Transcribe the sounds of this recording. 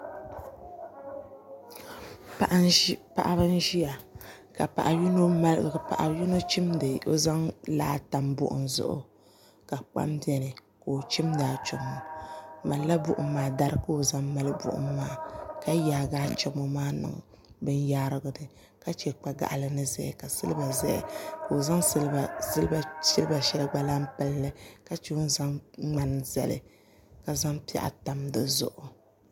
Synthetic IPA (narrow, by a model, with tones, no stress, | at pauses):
pa˨ʔpa̰˨ʔa˦ba˦n˦ʒi˦ja˨ | ka˨pa̰˨ʔa˨jno˦˨pa̰˨ʔa˨ju˦no˦t͡ʃi˦mdɨ˨o̰˨za˦ŋla̰ː˦ta˨mbʊ̰˨ʔʊ̰˨nzʊ̰˦ʔʊ̰˨ | ka˨k͡pa̰˦mbi˦ɛ˨nɨ˨ | ko˨t͡ʃi˦mdaː˨t͡ʃʊ˨˦mo˨ma˨la˦bʊ˦ʔʊ̰ː˨˦aː˨˦da˦ɾɨ˦kɨ˦o˦za˦ŋma˦lbʊ̰˦˨ʔʊ̰˦mː˦aː˦˨ka˦jaː˨ɡaː˦t͡ʃɔ˦mɔ˦maː˦nɨ̰˨ŋ | bɨ˦njaː˦ɾɨ˦ɡɨ˦dɨ˨ | ka˦t͡ʃɛ˨k͡pa˦ɡa̰˨ʔlɨ˦nɨ˦zɛ̰˨ka˨sɨ̰˦lɨ˦ba˨zɛ̰˦˨ko˨o˨za˦ŋslbɨ˦lbsɪ˦lba˨ʃɛ˦lɨ˦ɡ͡ba˦la˦mpɨ˦lːɨ˦ka˦t͡ʃɛ˦ʊ˦n˦za˦ŋŋ͡ma˨n˨za̰˨lɨ̰˨ | ka˨za˦ŋpi˦a̰˦ʔa̰˦ta˨mdɨ˦zʊ̰˨ʔʊ˨